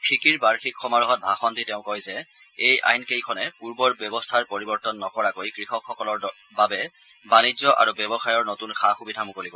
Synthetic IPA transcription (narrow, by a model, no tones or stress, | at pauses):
pʰikiɹbaɹxikxɔmaɹɔɦɔt̚bʱaxɔntitɛʊ̃kɔjzɛ | ejʔa̰jnkejkʰɔnɛpuɹbɔɹbɛbɔstʰaɹpoɹibɔɹtɔnːɔkɔɹakojkɹixɔkxɔkɔlɔɹ | babɛ | banizɔʔa̰ɹubɛbɔxajɔɹnotunxʰaxubidʱamukoliko